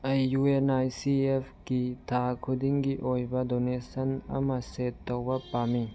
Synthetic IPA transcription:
ɐjːuenajsiepʰɡitʰakʰudiŋɡiʔojbɐdonesɐnɐ̰mɐsetːowbɐpami

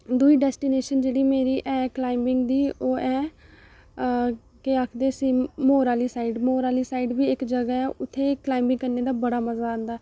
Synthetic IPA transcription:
d̪uiːɖɛːsʈiːneːʃənd͡ʒeːɽiːmeːɾiːʔɛːklaːɪmbɪŋɡd̪iːoːɛː | keaːkʰd̪eːsiːmoːɾaːliːsaːiɖmoːɾaːliːsaːiɖʋiːɪkd͡ʒəɡɛɛːʊt̪ʰːeːklaːɪmbɪ̃ŋɡkəɾneːd̪aːbəɽaːməzaːãːnd̪aː

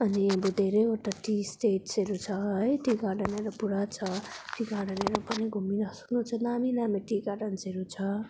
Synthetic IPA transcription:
ʌniʌbud̪ʱeɾejoʈaʈisʈeʈseɾut͡sʰʌɦʌjtiɡaɖʌneɾʌpuɽat͡sʰʌʈiɡaɽʌneɾupʌniɡʱuminʌsu̥knut͡sʰʌnaminameʈiɡaʈʌnseɾut͡sʰʌ

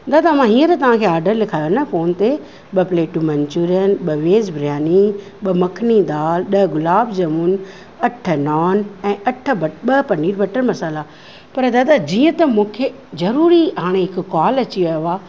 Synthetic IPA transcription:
nd̪ad̪aɐm̤ãɦiːə̃ɾet̪ɐʋ̤ãːkʰeːaːɾɖəɾlɪkʰaːjonɐfoːnt̪e | ɓɐpleːʈumɐɲt͡ɕuːɾənɓɐʋeːzbʱɾjaːni | ɓɐmɐkʰnid̪aːlɗɐɦɡʊlaːbd͡ʑɐmʊn | ɐʈʰə̆nɔːnɛ̃ːʔɐʈʰə̆bɐɓɐpɐniːɾbɐʈəɾmɐsaːla | pɐɾd̪aːd̪ad͡ʑiːə̃t̪ɐmũːkʰe | zɐɾuːɾiɦaːɽ̃eɦɪkʊkɔːlɐt͡ɕiʋɐjoaː

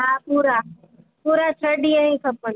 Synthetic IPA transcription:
ɦaːpuːɾa | puːɾat͡ʃʰəɗiaĩːkʰəpən

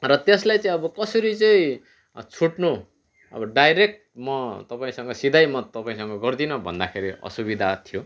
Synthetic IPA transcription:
rʌt̪eslajt͡sʌĩʌbʌkʌsʌɾit͡sʌĩ | t͡sʰuʈno | ʌ̰bʌɖajɾek̚ʈmʌt̪ʌpaĩsʌŋɡʌsid̪ajmʌt̪ʌpaĩsʌŋɡʌɡʌrd̪inʌbʱʌ̰nd̪akʰeɾiʌ̰subid̪ʱat̪ʰijo

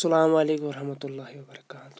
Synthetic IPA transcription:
sɐlaːmɐleːkwɐɾɐhmɐt̪ʊlːaːɦiwɐbɐɾɐkaːt̪ʊ̥

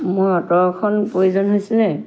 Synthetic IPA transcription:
mojɔtɔkʰɔnpɹojuzɔnɦojsɛlnɛ

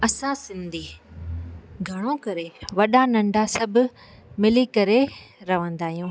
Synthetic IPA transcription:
ɐsãsɪ̃nd̪ʱiː | ɡʱɐɽ̃okɐɾeʋɐɗanɐ̃ɳɖʱasɐbʱʊ | mɪlikɐɾeɾɐʋə̃nd̪aːɦijũː

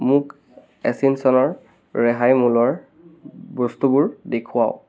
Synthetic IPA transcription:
mʊk | ɛsinsɔnɔɹ | ɹɛɦajmulɔɹ | bɔstubʊɹdekʰʊa̰ʊ

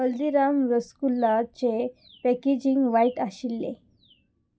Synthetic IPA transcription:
əld̪iɾamʋəskulːat͡ɕe | pɛked͡ʑiŋɡʋaiʈaɕilːḛ

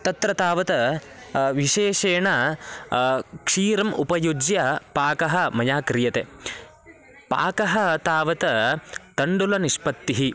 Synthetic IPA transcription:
t̪ɐt̪ɾɐt̪aːʋɐt̪ɐ | ʋiʃeːʂeːɳɐ | kʂiːɾɐmʔupɐjud͡ʒjɐpaːkɐɦɐ̆mɐjaːkɾijɐt̪e | pa̰ːkɐɦɐ̆t̪aːʋɐt̪ɐt̪ɐɳɖulɐniʃpɐt̪ːiɦi

